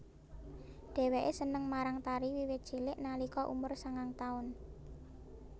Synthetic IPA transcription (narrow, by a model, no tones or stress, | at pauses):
ɖ̥ɛ̤weʔesənəŋmaɾaŋt̪aɾiwiwe̥ʒ̥i̤lɪʔnalikɔʔṵmʊrsaŋaŋt̪aʊn